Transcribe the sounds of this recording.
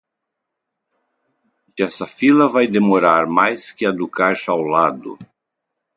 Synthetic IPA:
d͡ʒɛsɐfilɐvajd̪emoɾaɾmajskɪad̪ʊkajʃawlad̪ʊ̰

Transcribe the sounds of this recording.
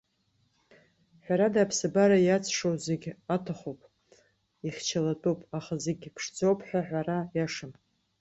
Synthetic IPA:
ħʷᶣaɾadaːpʰsɨbaɾajat͡sʼʰʂowzeɡʲatʰaχowpʼ | iχʲt͡ʃʰalatʼopʼaχazeɡʲpʰʂd͡zʼo̞wpʰʼħʷᶣaħᶣʷaɾajaʂɨm

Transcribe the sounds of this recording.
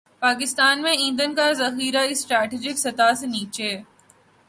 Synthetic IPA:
paːk̬ɪst̪aːnmẽɪ̃nd̪ənkazɐxiːɾaisʈɾɛːʈiːd͡ʒɪksɐt̪aːseniːt͡ʃeː

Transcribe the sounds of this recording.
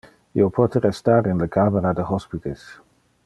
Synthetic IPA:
ḭopʰɔt̪əɾɛst̪aɾinləkʰameɾad̪əɦɔspit̪ʰes

